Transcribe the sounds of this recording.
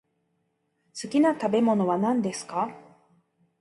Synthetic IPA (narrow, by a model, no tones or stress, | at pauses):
sɨkʲinat̪abe̞mo̞no̞βanãnd̪e̞sɨ̥ka